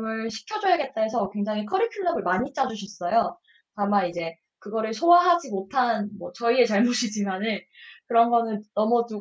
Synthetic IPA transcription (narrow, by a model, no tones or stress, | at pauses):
mɯɭɕʰi̥kʰjʌd͡ʑoɦaɡe̞t̚t͈aesʰʌkwe̞ŋd͡ʑaŋɦikʰʌɾikʰinːʌmɯɭmaɲit͡ɕ͈ad͡ʑuɕʰʌs͈ʌjo | tamanid͡ʑe̞ | kɯɡʌɾɯɭsʰowaɦad͡ʑimotʰanmwʌt͡ɕʌie̞t͡ɕaɭmoɕʰid͡ʑimanɯnkɯɾʌnɡʌnɯnnʌmʌdu